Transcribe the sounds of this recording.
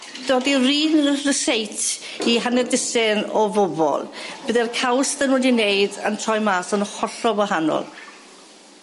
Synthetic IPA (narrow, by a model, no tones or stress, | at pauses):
d̥oːdiriːnrəsejtʰ | iɦanɛdɪsɪnɔvɔbɔ̰lˠb̥əðɛrkʰawsðənwɛdinejdantʰrɔjmaːsənəχɔɬɔwaɦanɔ̰lˠ